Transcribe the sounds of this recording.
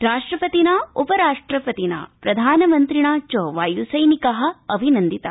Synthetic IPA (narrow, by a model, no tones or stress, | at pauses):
ɾaːʂʈɾɐpɐt̪inaːupɐɾaːʂʈɾɐpɐt̪ina̰ːpɾɐd̪ʱaːnɐmɐnt̪ɾiɳaːt͡ʃoːʋaːjusɐjnikɐɦɐ̆ɐbʱinɐnd̪it̪ɐ